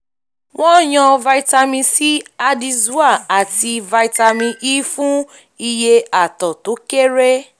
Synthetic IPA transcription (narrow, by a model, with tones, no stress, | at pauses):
w̃ɔ̃˦j̃ã˧va˧i˧ta˧mĩ˧si˦a˧di˧zu˦a˦˨a˨ti˧va˧i˧ta˧mĩ˧ʔiː˦fũ˦ | i˧je˧a˨tɔ˨to˨˦ke˦ɾe˦